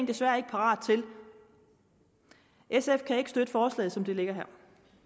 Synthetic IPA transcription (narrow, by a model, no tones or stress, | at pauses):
ŋd̥e̝sʋæːɐe̝ɡ̥əpʰɑ̈ʁɑ̰̈ːd̥̚t͡sʰe̝l | ʔesefkʰæe̝ɡ̥əsd̥ød̥əfɒːslɛ̰ːð̩ˠsɒ̽md̥e̝le̝ɡ̥ɐɦæɐ̰